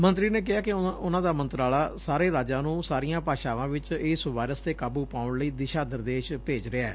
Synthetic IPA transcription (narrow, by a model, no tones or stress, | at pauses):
mə̃nt̪ɾiːneːk̬ɪɦaːkɪʊnãːd̪aːmə̃nt̪ɾaːlaːsaːɾeːɾaːd͡ʒaːnũːsaːɾijãːpaːʃaːʋãːʋɪt͡ʃɪːsʋaːjɾəst̪eːkaːbuːpaːʊɳləiːd̪ɪʃaːd̪əɾd̪eːʃpeːd͡ʒɾɪaɛː